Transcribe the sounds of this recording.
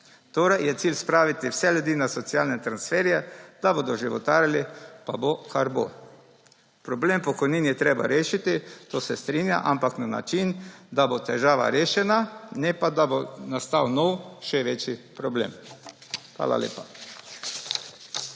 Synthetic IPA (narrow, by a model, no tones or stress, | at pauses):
t̪oːɾɛjjɛt̪siːlspɾaːʋit̪iwsɛljud̪iːnasɔt̪siaːlnɛt̪ɾansfɛːɾjɛd̪̥aboːd̪ɔʒiʋɔ̰t̪aːɾalipabokaɾbo̰ | pɾɔbleːmpɔkɔjniːnjɛt̪ɾeːba̰ɾeːʃit̪it̪oːsɛst̪ɾiːnja̰ʔampaknana̰t͡ʃind̪abot̪ɛʒaːʋa̰ɾeːʃɛnanɛpad̪abonast̪awnɔwʃɛʋet͡ʃjipɾɔblḛːm | xʋa̰ːla̰lḛːpa